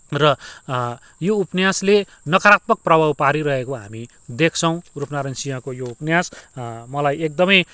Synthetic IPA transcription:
rʌ | joupnjasle | nʌkʌɾat̪mʌk̚prʌbʱawpaɾiɾʌɦekoɦa̰mi | d̪ekʰt͡sʰʌ̃w̃rupnaɾensijãkojoupnjasmʌlajek̚d̪ʌmʌj

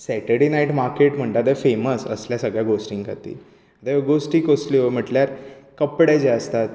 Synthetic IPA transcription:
sɛʈəɽenaiʈmaɾkeʈm̤əɳʈ̪ad̪efeməsə̰sljasəɡɭjaɡosʈiŋɡka̰t̪ḭː | d̪aɡosʈiːkosliojm̤əʈljaɾkəpɽajd͡ʑeəst̪at̪

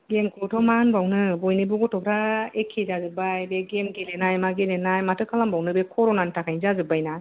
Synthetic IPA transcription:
ɡemkʰutʰɔmanbawnɯbɔjnibuɡɔtʰɔkʰɾaekʰːezazɯbajbeɡemɡelenajmaɡelenajmatʰɯkʰalambawnɯbekʰɔɾɔnantʰakʰajnzazɯbajna

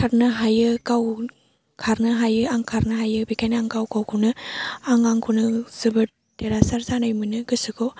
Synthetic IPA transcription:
kʰaɾnɯɦajɯkaw | kʰaɾnɯɦajɯaŋkʰaɾnɯɦajɯbikajnaŋkawkawkʰunɯaŋaŋkʰunɯz̥ɯbɯɾ̚ | teɾasaɾzanajmɯnɯɡɯsɯko

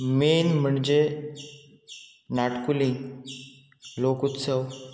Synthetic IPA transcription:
miːnm̤əɳd͡ʑe | naʈkulĩ | lokut̪səw

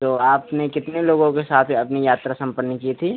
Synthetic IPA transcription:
t̪oːaːpnekɪt̪neloːɡõkesaːt̪ʰɐpnijaːt̪ɾasɐ̃mpənːəkit̪ʰiː

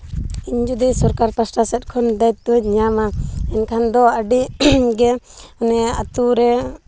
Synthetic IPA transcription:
iɲd͡ʒud̪isɔɾkaɾpasʈasɛt̪̚ˀkʰɔnd̪ajt̪̚ːuɲamaɛnkʰand̪ɔəɖiɡɛɔnɛat̪uɾɛ

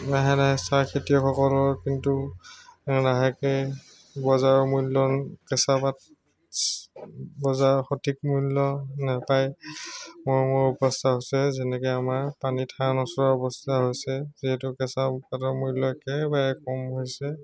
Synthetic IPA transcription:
naɦɛnaɦɛsaɹkʰetijɔkʰɔkɔlɔɹkintu | naɦakɛ | bɔzaɹɔmulːɔkɛsapat | bɔzaɹxotʰikmulɔnapaj | mʊjmʊɹupɔstʰaɦosɛzɛnɛkɛamaɹpanitʰanɔsɔɹɔɹɔbɔstʰaɦojsɛziɦɛtʊkɛsapatɔɹmulɔɛkɛbaɹɛkɔmɦojsɛ

